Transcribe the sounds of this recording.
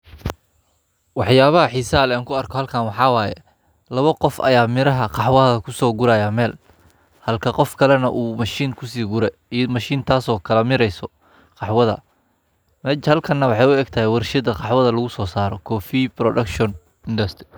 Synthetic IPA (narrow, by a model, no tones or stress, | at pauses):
wɑħjaːβɐɦɐħisaːlɛaːŋkʰʊɐrkʰɔhɐlkʰaːnwɑħɑːwaːjɛ̰ | lɐβɐqɔfɐ̰jaːmɪɾɐɦɐqɑħwɐðɐkʰʊsɔːɡʊɾaːjaːmɛːl | hɐlkʰɐqɔfkʰɐlɛnɐʔuːmɐʃiːnkʰʊsiːɡʊɾɛ | mɐʃiːnt̪ʰaːsɔːkʰɐlɐmɪɾɛjsɔ | qɑħwɐðɐ̰ | mɛhɐlkʰɐnːɐwɑħɑjʊɛːɡt̪ʰɐɦɛwɐrʃɐd̪ɐqɑħwɐðɐlɐɣʊsɔːsaːɾɔkʰɔːfiːbrɔɖɐkʃɔn | ɪnd̪ɐst̪rɪ